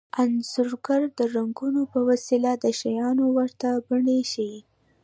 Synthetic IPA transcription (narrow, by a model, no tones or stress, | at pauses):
anzʊɾɡaɾd̪əɾaŋɡunopəwasilad̪əʃajɑnowəɾt̪abəɳeʃi